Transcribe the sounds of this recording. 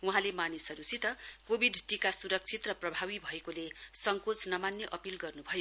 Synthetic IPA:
uɦãlemanisʌɾusit̪ʌkobʱiɖʈikasuɾʌk̚t͡sʰit̪rʌprʌbʱawibʱʌekolesʌŋkot͡snʌmanjʌʔʌpilɡʌrnubʱʌjo

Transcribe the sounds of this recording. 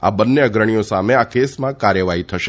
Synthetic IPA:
a̰bənːeəɡɾəɳ̃ijosameakesmãkaɾjəʋaɦit̪ʰəʃe

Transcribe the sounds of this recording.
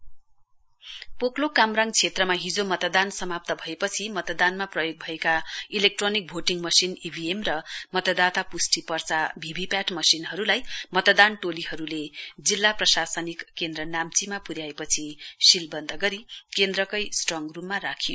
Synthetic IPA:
poklokamraŋt͡sʰet̪rʌmaɦid͡zomʌt̪d̪ansʌmap̚t̪ʌbʱʌepʌt͡sʰimʌt̪d̪anmaprʌjoɡ̚bʱʌekailek̚ʈronik̚bʱoʈiŋmʌsinibʱiemrʌmʌt̪ʌd̪at̪apusʈipʌrt͡sabʱibʱipjaʈmʌsinɦʌɾulajmʌt̪d̪anʈoliɦʌɾuled͡zilːaprʌsasʌnikːend̪rʌnamt͡simapuɾjaepʌt͡sʰisilbʌnd̪ʱʌɡʌɾikend̪rʌkʌjsʈrʌŋrumːarakʰijo

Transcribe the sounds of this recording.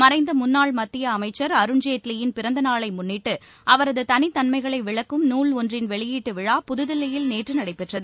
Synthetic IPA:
mɐɾɐɪnd̪ɐmʊnːaːɭmɐt̪ːɪjɐːmɐɪt͡ʃːɐɾɐɾɯɲd͡ʒeːʈlɪjɪnpɪɾɐnd̪ɐnaːɭɐɪmʊnːɪʈːɯ | ʔɐʋɐɾɐðɯt̪ɐnɪt̪ːɐnmɐɪɣɐɭɐɪʋɪɭɐkːɯmnuːɭɔndrɪnʋɛɭɪjiːʈːɯʋɪɻaːpʊðɯðɪlːɐjɪlneːʈrɯnɐɽɐɪpːɛʈrɐðɯ

